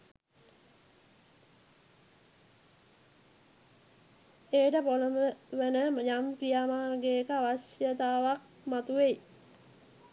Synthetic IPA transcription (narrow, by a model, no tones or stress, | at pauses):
eːʈəpoləməʋenəmɲamkrijamaːnɡeːkəaʋasjət̪aːʋak̚ | mat̪uʋei